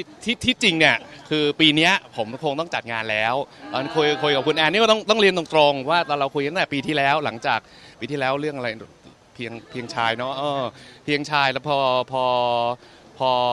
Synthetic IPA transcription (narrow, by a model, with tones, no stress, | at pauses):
t̪ʰiː˥˩t̪ʰiː˥˩t͡ɕi˧ŋni˥˩əkʰɯː˧piː˧ni˦˥ɐpʰo˩˦mkʰo˧ŋt̪ɔ˥˩ŋt͡ɕa˨˩ŋaː˧nlɛː˦˥wʔa˧nkʰo˧jkʰo˧jka˨˩p̚ku˧nʔɛː˧niː˦˥˩t̪ɔ˥˩ŋt̪ɔ˥˩ŋli˧əndo˧ŋt̪ɾo˧ŋwaː˥˩t̪ʰaː˧ɾa˧wkʰu˧jk̪ʰt̪ɛ˨˩piː˧t̪ʰiː˥˩lɛː˦˥wla˩˦ŋt͡ɕaː˨˩k̚ | piː˧t̪ʰiː˥˩lɛː˦˥wɾɯ˥˩əŋʔa˧ɾa˧j | pʰi˧əŋpʰi˧əŋt͡ɕʰaː˧jnɔ˦˥ʔɤː˧pʰi˧əŋt͡ɕʰaː˧jlɛː˦˥pʰɔː˧pʰɔː˧ | pʰɔː˧